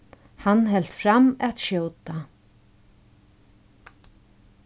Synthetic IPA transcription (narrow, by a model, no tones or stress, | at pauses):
hanːɦɛl̥t̪fɾamɛt̪ʃjowt̪a